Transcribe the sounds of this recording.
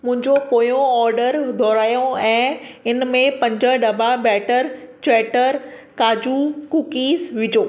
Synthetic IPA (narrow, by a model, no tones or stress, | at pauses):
mʊ̃ɦɪ̃ɲd͡ʑokoːjõɔːɾɖəɾd̪ʱɔːɾaːjõɛ̃ːɪnmẽpɐ̃ɲd͡ʑəɗɐbʱabɛːʈəɾt͡ɕɛːʈəɾ | kaːd͡ʑukukiːzʋɪd͡ʑoː